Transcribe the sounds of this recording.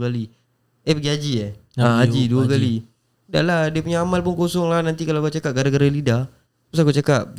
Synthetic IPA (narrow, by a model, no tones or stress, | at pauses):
kali | epəɡiad͡ʒiaad͡ʒiduakali | da̰ʔlahdiapuɲaamalpʊnkosɔŋlahnant̪ikalawakut͡ʃakaʔ̚ɡadaɡaɾalida | pusakut͡ʃakap̚